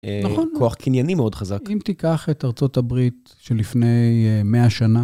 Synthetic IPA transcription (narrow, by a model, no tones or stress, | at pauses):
naχonkoaχkʰinjanimeodχazakimt̪ikaχetaʁt͡so̞tabʁit̪ | ʃelifne̞jmeaʃana